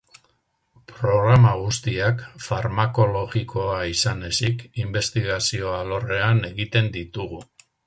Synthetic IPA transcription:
pɾo̞ɣɾamaɣ̞ust̪iakfaɾmako̞lo̞ɣikʰo̞aisane̞sikimbe̞st̪iɣasio̞alo̞re̞ane̞ɣit̪e̞nd̪it̪uɣ̞u

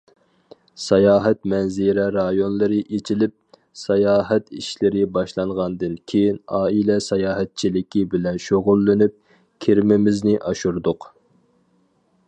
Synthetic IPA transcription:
sɑjɑːɦɛt̪mɛnziɾɛɾɑjonlˠɨɾɨʔet͡ʃʰilɪp̚ | sɑjɑːɦɛt̪iʃlɪɾɪbɑʃlˠɑɴʁɑnd̪ɨnkʲʰejinɑːilɛsɑjɑːɦɛt̪̚t͡ʃʰilɪkʲibɪlɛnʃoʁʊlˠːɪnyp̚ | kʲʰeɾmɪmɪznɪʔɑʃuɾd̪ʊq

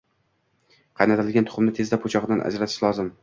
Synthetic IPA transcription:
qʰɑjnat̪ʰɪlɪlɡʲant̪ʰʊ̥χʊmnɪt̪ʰe̞zd̪apʰot͡ʃʰɒʁɨd̪anʔa̰d͡ʒɾat̪ʰɪ̥ʃlˠɒzɪm

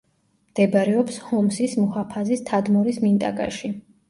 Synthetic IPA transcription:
md̪̥ɛbaɾɛɔpshɔmsismuhapʰazist̪ʰad̪mɔɾismint̪ʼa̰ɡʼa̰ʃi

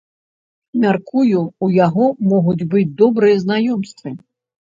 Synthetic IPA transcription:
mʲarkujuujaɣɔmɔɣud͡zʲbɨd͡zʲd̪ɔbɾɨjɐznajɔmst̪vɨ

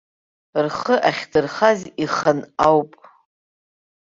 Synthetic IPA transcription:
rχəʔaχʲdɨrχaziχənawpʼ

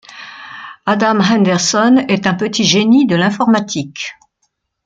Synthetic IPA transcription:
ad̪amɦɛ̃nd̪ɛʁsɔnɛt̪ɛ̃pət̪iʒenid̪əlɛ̃fɔʁmat̪ʰik

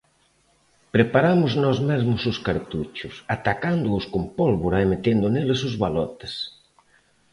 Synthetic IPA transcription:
pɾepaɾamʊznɔzmɛzmʊsʊskaɾt̪ut͡ʃʊsat̪akand̪ʊʊskompɔlβoɾaemet̪end̪ʊnelɪsʊzβalɔt̪e̥s

